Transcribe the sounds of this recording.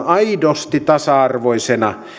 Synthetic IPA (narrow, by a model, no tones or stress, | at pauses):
ɑidost̪it̪ɑsɑɑrʋoisenɑ